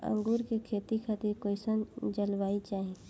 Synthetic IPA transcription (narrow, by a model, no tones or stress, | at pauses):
ə̰̃ŋɡuːɾkekʰeːt̪ikʰat̪iɾkoːɪsənd͡ʒəlʋaːit͡ʃaːɦẽ